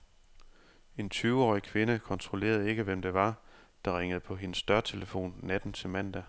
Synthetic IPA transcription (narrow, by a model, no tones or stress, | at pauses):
e̝nt͡sʰyːʊɒ̰ːikʰʋe̝nəkʰɒ̽nt͡sʰʁole̝̰ːɐð̞ˠe̝ɡ̥əʋem̰d̥eʋɑ̈ | d̥ɑ̈ʁeŋ̰əð̞̩ˠpʰɒ̽ɦe̝nəsːd̥ɶɐt͡sʰe̝ləfo̝̰ːnːæd̥n̩t͡sʰe̝mæn̰d̥æ